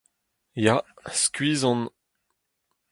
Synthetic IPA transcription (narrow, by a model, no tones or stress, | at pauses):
jaskʲɥiːzɔ̃n